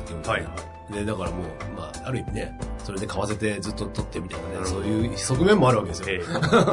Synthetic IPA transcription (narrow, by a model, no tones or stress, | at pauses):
t̪ːin | d̪e̞d̪akaɾamo̞ːma̰ːaɾɯ̟imineso̞ɾe̞d̪e̞kaβase̞t̪e̞zɨt̪ːot̪ot̪ːe̞mit̪ainaneso̞ːjɯːso̞kɯ̟mẽ̞mːo̞aɾɯ̟βake̞d̪esɨjo